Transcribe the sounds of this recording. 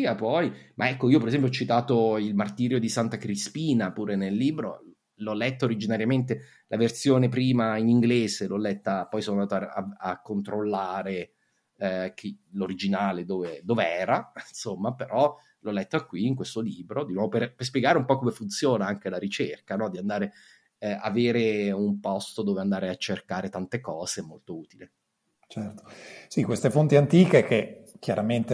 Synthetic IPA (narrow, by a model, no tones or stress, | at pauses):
iapɔjmʔaɛkːoiopeɾezɛmp̬jɔt͡ʃːit̪aːt̪oilmart̪iːɾjod̪isant̪akɾispiːnapuːɾenelːiːbɾo̰ | lɔlːɛt̪ːaoɾid͡ʒinaɾjament̪e | lʔavert̪sjoːnepɾiːmainiŋɡleːzelɔlːɛt̪ːapɔjsonand̪aːt̪oaaakːont̪ɾolːaːɾe | k̟ʰiloɾid͡ʒinaːled̪oːved̪oːveɛːɾainsomːapeɾʔɔ | lɔlːɛt̪ːakwiːŋkwest̪oliːbɾod̪inwɔːvoperperspjɛɡaːɾeumpɔkːomefunt̪sjoːnaaŋk̟elaɾit͡ʃerkanɔd̪iand̪aːɾe | a̰veːɾeumpɔst̪od̪oːveand̪aːɾeat͡ʃːerkaːɾet̪ant̪ekɔːzeɛmːolt̪ouːt̪ile | t͡ʃɛrt̪o̥sikwest̪efont̪iant̪iːkekek̟ʰjaɾament̪e